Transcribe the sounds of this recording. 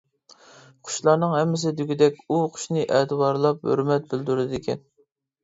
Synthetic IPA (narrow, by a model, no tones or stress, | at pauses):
qʰʊ̥ʃlˠɑɾnɨŋɦɛmːɪs̬ɪd̪yɡʲid̪ɛkʲuqʰʊ̥ʃnɨʔɛt̪ɨwɑɾlˠɑphø̰ɾmɛt̪̚bɪld̪yɾd̪ɪd̪ɪkʲʰɛ̰n